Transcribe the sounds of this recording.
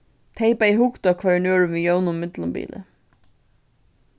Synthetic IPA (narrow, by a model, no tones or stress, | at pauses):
t̪ʰeɪpaiɦʊkt̪ʊakʰvɛːɹnøːɹʏʋijownʊmːmɪt̪lʊmbḭːlɪ̰